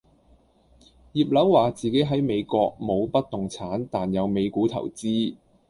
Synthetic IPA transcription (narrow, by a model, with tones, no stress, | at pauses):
jiː˨˧p̚lɐ˨˥wwaː˨t͡siː˨ke˨˥jɦɐ˨˥jme˨˧jkɔː˧k̚mo˨˧wpɐ˥t̚t̪ʊ˨˩ŋt͡sʰaː˨˥nt̪aː˨njɐ˨˧wme˨˧jkuː˨˥t̪ʰɐ̰˨˩wt͡siː˥